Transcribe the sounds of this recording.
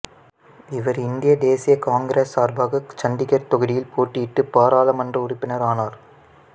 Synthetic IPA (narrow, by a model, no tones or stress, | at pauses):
ɪʋɐɾɪnd̪ɪjɐd̪eːsɪjɐkaːŋɡɪɾeːsaːɾbaːɣɐt͡ʃɐɳɖ̪ɪɣɐɾt̪ɔɣɐɽɪjɪlpoːʈːijɪʈːɯpaːɾaːlɐmɐndrɐʊrɪpːɪnɐɾaːnaːɾ